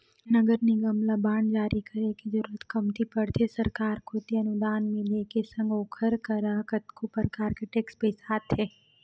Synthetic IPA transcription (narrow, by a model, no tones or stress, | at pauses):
nɐɡəɾniɡɐmlabaːɳd͡ʒaːɾʔikɐɾekid͡ʒɐɾuːɾət̪kɐmt̪ipɐɽt̪ʰesɐɾkaːɾkʰot̪eɐnʊd̪aːnmẽleːkesɐ̃ŋɡoːkʰəɾkɐɾakɐt̪kopəɾkaːɾkeʈeːkspesaːt̪ʰɦeː